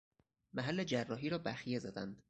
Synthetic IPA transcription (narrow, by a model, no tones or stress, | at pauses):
mæɦælːe̞d͡ʒærːɒːɦiːɾɒːbæxije̞zæd̪æ̰nd̪̥